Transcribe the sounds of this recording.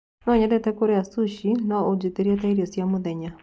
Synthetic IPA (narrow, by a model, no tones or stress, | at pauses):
nɔɲɛðɛtɛkoɾeasuʃinaod͡ʒeteɾiataiɾiɔsjamoðɛɲa